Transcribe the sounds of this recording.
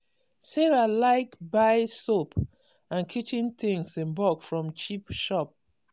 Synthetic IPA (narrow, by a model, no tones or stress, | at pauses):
seɹalaɪkbaɪsop | ãnkʰit͡ʃĩnt̪ĩŋsĩnbɔkfɹɔ̃mt͡ʃipʃɔp̚